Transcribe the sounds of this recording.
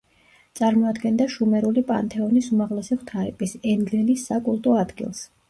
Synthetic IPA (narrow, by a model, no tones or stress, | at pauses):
t̪sʼaɾmɔad̪ɡɛnd̪aʃumɛɾulipʼa̰nt̪ʰɛɔnisumaʁlɛsiχwt̪ʰaɾḭpʼisɛnɡ̪lilisːakʼulˠt̪ʼɔad̪ɡḭlˠs